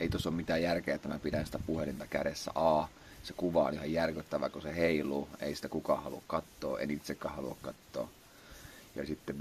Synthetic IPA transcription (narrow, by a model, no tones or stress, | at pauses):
eit̪osːommit̪æːjærkeːet̪ːæmæpidænsi̥t̪æpuhelint̪ɑkæɾesːæ̰ʔɑː | sekuʋɑo̰nihɑjjærkyt̪ːæʋækoseheiluḛisi̥t̪ækukɑ̰ːhɑlukkɑt̪ːo̰ːʔḛnit̪sekːæːhɑlṵɑ̰kkɑt̪ːo̰ː | jɑ̰sit̪ːeʋ